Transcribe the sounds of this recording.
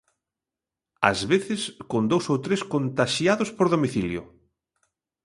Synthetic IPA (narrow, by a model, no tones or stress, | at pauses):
a̰zβeθɪskond̪owsowt̪ɾeskont̪aʃjaðʊspoɾðomiθiljʊ̰